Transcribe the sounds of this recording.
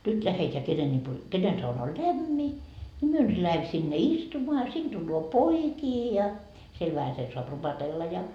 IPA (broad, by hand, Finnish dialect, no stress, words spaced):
nyt læheteæ kenen lʲipo kenen sɑunɑ o læmːi ni myø nyt læhem sinːe istumoɑ ɑ sin d̥ulːoː poikiː jɑ siel ʋæhæsen soɑp rupɑtelːɑ jɑ